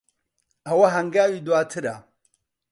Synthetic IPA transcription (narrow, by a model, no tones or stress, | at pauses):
awaɦaŋɡajidwatʰɨɾa̰